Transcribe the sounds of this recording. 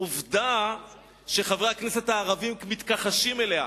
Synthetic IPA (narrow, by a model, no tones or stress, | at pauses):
uvd̪a | ʃeχavakneset̪haːʁavimkmit̪kaχaʃime̞lea̰